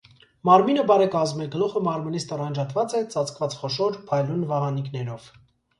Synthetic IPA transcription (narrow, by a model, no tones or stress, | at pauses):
mɑɾminəbɑɾɛkɑzmɛɡəluχəmɑɾminist̪ɔrɑnd͡ʒɑt̪vɑt͡sɛt͡sɑt͡sʰkvɑt͡sχɔʃɔɾpʰɑjlunvɑʁɑniknɛɾɔv̥